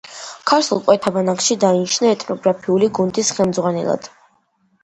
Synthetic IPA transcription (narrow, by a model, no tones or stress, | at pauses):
kʰaɾt̪ʰulˠkʼwɛt̪ʰabanakʃid̪ainiʃnaɛt̪ʼnɔɡɾapʰiuliɡund̪isχɛmd̪zʁwanɛ̰lˠa̰d̪̥